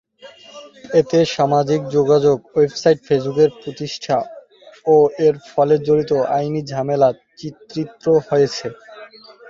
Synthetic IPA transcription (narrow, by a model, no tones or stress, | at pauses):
et̪eʃamad͡ʑik̚d͡ʑoɡad͡ʑoɡwebsajʈfes̬bukeɾpɾot̪iʃʈʰa | oeɾfɔled͡ʑoɾit̪oʔajnid͡ʑʱamela | t͡ɕit̪ːɾit̪ːɾohojet͡ɕʰe